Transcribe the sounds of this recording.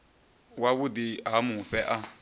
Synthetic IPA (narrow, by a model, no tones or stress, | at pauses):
wawudiamũɸɛʔa